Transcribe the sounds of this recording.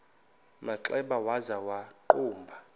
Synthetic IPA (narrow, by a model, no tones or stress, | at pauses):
maǁɛɓawazawaǃuːmbʱa